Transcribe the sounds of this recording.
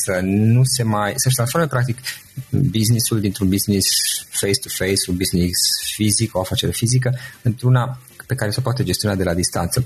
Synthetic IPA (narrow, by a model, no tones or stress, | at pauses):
sənuse̞majsəʃ̬t̪ɾansfo̞mepɾakt̪ik | biznisuld̪int̪ɾunbiznisfejst̪ufejsunbiznisfizikoafat͡ʃe̞ɾefizik̬əɨnt̪ɾuna | pe̞kaɾesepoat̪ed͡ʒe̞st̪ionad̪e̞lad̪ist̪a̰nt̪sə